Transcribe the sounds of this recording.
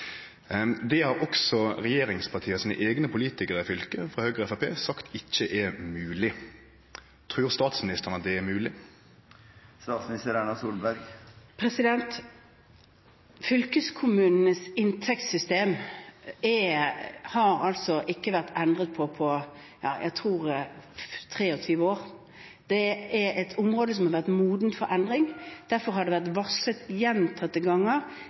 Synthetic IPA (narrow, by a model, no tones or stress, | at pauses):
d̪ɛhɑɾɔksɔɾɛjeːɾɪŋspʰɑʈ̪ʰiːəsiːnə̰ʔeːɡnəpʊliːt̪ɪkəʁəɪfʏlkəfʁɑhøːɡʁəɛfɑpʰeːsɑkt̪ɪçːəʔɛmʉːlɪ | t̪ʰʁʉːʁst̪ɑːt̪smɪnɪst̪əʁnɑt̪̚d̪ɛæɾmʉːlɪ | st̪ɑːt̪smɪnɪst̪əɾæɳɑsuːlbæɾɡpʰɾɛsɪd̪ɛnt̪ | fʏlkəskʰʊmʉːnn̩əsɪnt̪ʰɛkt̪sʏst̪eːm | ɛ | hɑɾɑlt̪sɔʔɪkːəʋæʁt̪ʰɛnd̪ʁət̪̚pʰɔpʰɔ | jɑ̰ːjʔæ̰ɪt̪ʰʁuːʁ | t̪ʰʁeːɔt̪ʰyːʋəoːʁ | d̪̥ɛɛɾɛt̪ʰʊmʁoːd̪əs̬ɔmhɑʁʋæʁt̪muːd̪n̩t̪fɔɾʔɛnd̪ɾɪŋd̪̥æɾfɔɾhɑɾɖ̪ɛʋæʁt̪ʋɑsət̪jɛnt̪ʰɑt̪ːəɡɑŋːəɾ